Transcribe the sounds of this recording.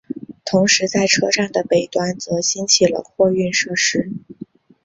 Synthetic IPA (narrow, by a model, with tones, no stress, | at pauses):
t̪ʰʊ˧˥ŋʂɻ̩˧˥t͡sa˥˩ɪʈ͡ʂʰɤ˥ʂɑ˥˩ŋd̪ə˩pe˨˩ɪt̪wa˥nt͡sɤ˧˥ɕi˥ŋt͡ɕʰi˨˩lə̰˦xwɔ˥˧y˥˧nʂɤ˥˩ʂɻ̩˥